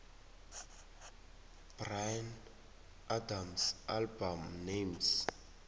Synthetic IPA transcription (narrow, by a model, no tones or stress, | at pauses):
b̥rajn | adamsalbamnems